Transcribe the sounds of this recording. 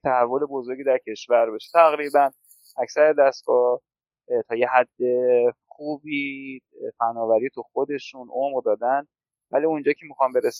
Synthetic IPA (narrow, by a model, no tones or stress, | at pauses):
t̪ʰæhævːo̞le̞bo̞zo̞ɾɡɟiːd̪æɾcʰe̞ʃvæɾbeʃe̥t̪ʰæɣɾiːbæn | ʔæcsæɾed̪æst̪̚ɡɒː | t̪ʰɒːje̞ɦæd̪ːe̞xuːbiːfænːɒːvæɾiːt̪ʰuxod̪e̞ʃunʔomʁd̪ɒːd̪ænd̪ | væ̰liund͡ʒɒːcʰemixɒːmbe̞ɾes